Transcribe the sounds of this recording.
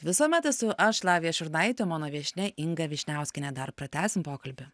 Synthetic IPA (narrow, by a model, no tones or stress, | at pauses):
ʋʲɪsuːmʲɛt̪ɛsʊʔɐʃlˠɑːʋʲijɛʃʲʊɾnɐɪt̪ʲoːmoːnoːʋʲiɛʃʲnʲɛʔɪŋɡɐʋʲiɛʃʲnʲæˑʊsʲkʲɪnʲɛd̪ɐɾpɾɐt̪ʲæːsʲɪmpoːkɐlʲbʲʊ